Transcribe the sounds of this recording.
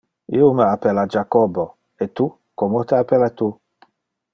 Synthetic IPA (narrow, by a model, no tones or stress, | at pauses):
ḭuməapelad͡ʒakɔbo | et̪u | komot̪eapelat̪u